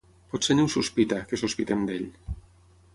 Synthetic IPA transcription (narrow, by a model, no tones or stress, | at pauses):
pɔt̪seniunsuspit̪akesuspit̪emd̪eʎ